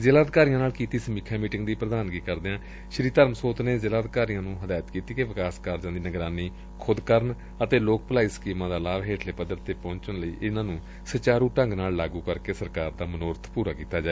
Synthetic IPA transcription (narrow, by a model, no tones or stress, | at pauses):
d͡ʒəlaːd̪kaːɾijãːnaːlkiːt̪iːsəmiːkʰãːmiːʈɪŋɡd̪iːpɾəd̪aːnɡiːkəɾd̪eːãː | ʃɾiːt̪əɾmsoːt̪neːd͡ʒəlaːd̪kaːɾijãːnũːɦəd̪aːjət̪kiːt̪iːkeʋɪkaːskaːɾd͡ʒãːd̪iːnəɡɾaːniː | kʰʊd̪kəɾən | ət̪eːloːk̚pəlaːiːsə̥kiːmãːd̪aːlaːʋɦeːʈʰleːpəd̪əɾt̪eːpɔ̃ːɲt͡ʃənləiːʔɪnãːnũː | sət͡ʃaːɾũːʈə̃ŋɡnaːllaːɡuːkəɾkeːsəɾkaːɾd̪aːmənoːɾət̪ʰpuːɾaːkiːt̪aːd͡ʒaːeː